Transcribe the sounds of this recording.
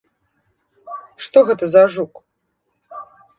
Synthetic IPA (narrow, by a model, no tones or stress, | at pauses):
ʂt̪ɔɣɛt̪ɐzaʐuk